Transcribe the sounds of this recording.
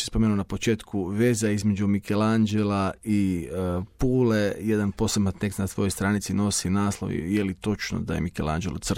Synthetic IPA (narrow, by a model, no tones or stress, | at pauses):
espomenunapot͡ʃe̞ːt̪kʰuʋe̞ːzaizme̞d͡ʒumikʰeland͡ʒelai | puːleje̞d̪anpo̞sebmat̪nekt̪nat̪ʋo̞jojst̪ɾaːnit̪sino̞sinaːslˠoʋḭjelit̪o̞t͡ʃno̰d̪a̰jḛmikelˠa̰nd͡ʒelot̪sr